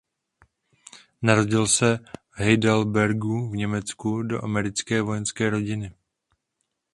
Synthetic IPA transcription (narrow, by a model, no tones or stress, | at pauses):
naɾo̞ɟɪlsɛvɦɛjdɛlbɛɾɡuvɲɛmɛt͡skudo̞̰ʔamɛɾɪt͡skɛːvo̞jɛnskɛːɾo̞ɟɪnɪ